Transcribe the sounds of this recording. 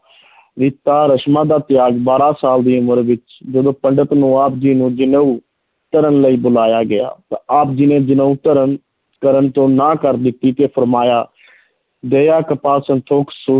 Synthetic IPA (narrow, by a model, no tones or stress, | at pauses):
ɾɪt̪aːɾəʃmãːd̪aːt̪ɪjaːɡbaːɾaːsaːld̪iːʊməɾʋɪt͡ʃ | d͡ʒəd̪õːpəɳɖət̪nũːaːpd͡ʒiːnũːd͡ʒɪnəuː | t̪əɾənləiːbʊlaːjaːɡɪja̰ːt̪ãaːp̚d͡ʒɪnẽːd͡ʒənəuːt̪əɾən | kəɾənt̪õːnãːkəɾd̪ɪt̪ːiːt̪eːpʰəɾmaːjaː | d̪eːjaːkəpaːsənt̪ʰoːksu